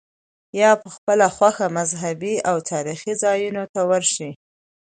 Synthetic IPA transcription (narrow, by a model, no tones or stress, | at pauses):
jɑpəxpəlaxwaxamazɦabiawt̪ʰɑɾixizɑjunot̪awəɾʃi